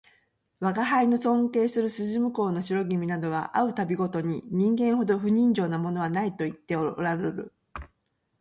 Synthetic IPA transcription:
βaɡaɦaino̞sõ̞nt̪e̞ːsɨɾɯ̟sɨʑimɯ̟ko̞ːno̞ɕiɾo̞ɡʲimʲinad̪o̞β̞a̰ʔaɯ̟t̪abʲiɡo̞t̪o̞ɲ̟iɲ̟ĩŋɡẽ̞ɰ̃ho̞d̪o̞ɸɯ̟ɲ̟ĩɲ̟d͡ʑo̞ːnamo̞no̞βanait̪o̞it̪ːeoɾaɾeɾɯ̟̰

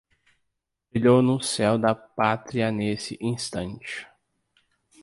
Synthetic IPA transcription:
feʎownʊsɛwd̪ɐpat̪ɾiɐnesɪʔĩst̪ɐ̃nt͡ʃɪ̥

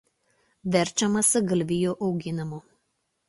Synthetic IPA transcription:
ʋʲɛɾʲˑt͡ʃʲɛmɐsʲɪɡɐlʲʋʲɪjuːʔɐʊɡʲɪnʲɪmo

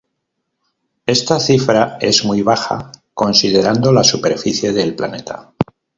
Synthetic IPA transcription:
e̞st̪aθifɾae̞zmujβ̞axa̰ko̞nsið̞e̞ɾand̪o̞lasupe̞ɾfiθje̞ðe̞lpla̰ne̞t̪a̰

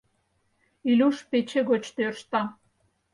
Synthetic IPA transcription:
ilʲuʃpet͡ɕeɡot͡ɕt̪ørʃt̪ɑ

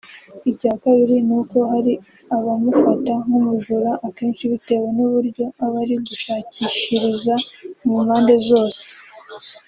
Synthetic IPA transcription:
icaːkaβiɾinuko̞ɦaɾi | aβamufataŋumuʒuɾaʔːke̞ːnʃiβute̞ːwe̞nuβuɾɟo̞aβaɾiɡuʃaːciʃiɾizamumhaːnde̞zo̞ːse̥

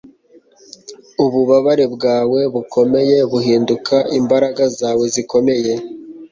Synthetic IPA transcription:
uβuβaβaɾe̞bɡaːwe̞βukʰo̞me̞je̞βuɦiːndukʰaimbaɾaɡazaːwe̞ziko̞me̞je̞

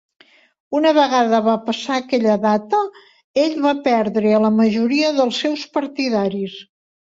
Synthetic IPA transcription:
unəβəɣaðəβapəsaəkɛʎəðat̪ə | eʎβapɛɾðɾeələməʒuɾiəðəlˠsːɛwspəɾt̪iðaɾis

